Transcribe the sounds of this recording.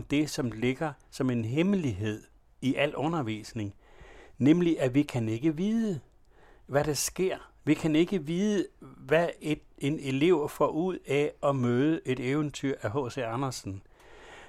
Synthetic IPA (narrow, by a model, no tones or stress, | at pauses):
md̥e̝sɒ̽mle̝ɡ̥ɐ | sɒ̽me̝nɦeməliɦe̝ð̞̰ˠ | iʔæl̰ɔ̽nɐʋḭːsne̝ŋnemliʔæʋikʰæne̝ɡ̥əʋiːðˠə | ʋæɾ̥ɑsɡ̥e̝ɐ̰ʋikʰæne̝ɡ̥əʋiːðˠəʋæe̝d̥e̝ne̝le̝ʊ̰fɒːuð̞̰ˠæɒ̽møːð̞ˠəʔe̝ɾ̥eːʊənt͡sʰyɐ̰ʔæɦɔ̰̽ːsḛːɑ̈nɐsn̩